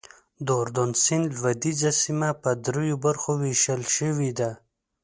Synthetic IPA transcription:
d̪oɾd̪onsinlwad̪izasimapəd̪ɾejobaɾxoweʃəlʃəwid̪a

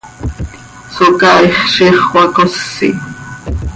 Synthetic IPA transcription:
sokaiχʃiχwakosːḭ

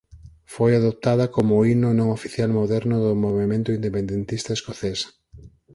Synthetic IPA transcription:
fojaðop̚t̪aðɐkomʊinʊnõŋofiθjalmoðɛɾnʊðʊmoβemẽnt̪ʊind̪epend̪ent̪ist̪ɐeskoθes

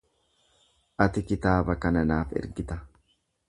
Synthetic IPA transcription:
ʔɐt̪ɪkɪt̪aːbɐkɐnɐnaːfɪ̰ɾɡɪt̪ɐ

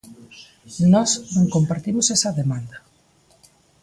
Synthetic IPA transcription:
nɔsnõŋkompaɾt̪imosɛsɐðemand̪ɐ

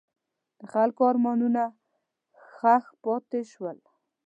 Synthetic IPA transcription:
d̪̥əxalkoɑɾmɑnuna | xaxpɑt̪eʃwəl

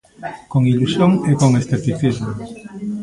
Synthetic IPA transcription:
koŋilusjoŋekoŋesθet̪iθizmo

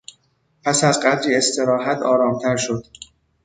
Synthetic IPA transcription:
pʰæsæzɢæd̪ɾiːe̞st̪ʰe̞ɾɒːɦæt̪ʰɒːɾɒːmt̪ʰæɾʃo̞d̪̥

